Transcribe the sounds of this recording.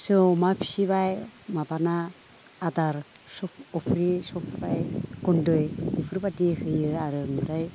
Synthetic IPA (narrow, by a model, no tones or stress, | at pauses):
sɯmapʰi̥sibajmabanaː | daɾsɔpɔpʰɾisɔpʰbajɡ̥ɔndɯjɯpʰɾibadihɯjɯaɾɯnɯɾaj